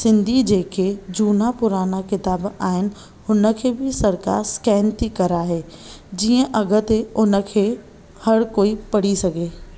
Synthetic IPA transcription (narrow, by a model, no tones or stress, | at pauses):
sɪ̃nd̪ʱid͡ʑeːkʰed͡ʑuːnapʊɾaːnakɪt̪aːbaːɦɪnɪ̆ | hʊnə̆kʰeːbʱɪsɐɾka̰ːɾskɛːnt̪ikɐɾaːɦeː | d͡ʑiːə̃ʔɐɡʱət̪eʊnə̆kʰeː | hɐɾkoːipɐɽ̤isɐɡeː